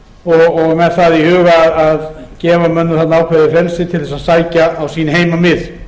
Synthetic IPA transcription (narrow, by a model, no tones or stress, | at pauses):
ɔɣɔɣmɛðθaðihʏːɣaaðaðcɛːvamœnːʏθat̪naawkʰɛðɪfɾɛlsɪt̪ʰɪlθɛsaðsaːjcaːwsiːnɪɦeːjmamɪð